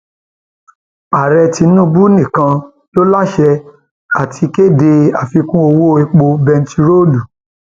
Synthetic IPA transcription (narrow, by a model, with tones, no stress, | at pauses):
a˨ɾɛ˧ti˧nũ˦bu˦nĩ˦˨kã˧ | lo˦la˦˨ʃɛ˧ | a˨tʰi˧ke˦˨de˧a˨fi˧kũ˦o˧wo˦e˧k͡po˧bɛ˧n˦ti˧ɾo˦du˨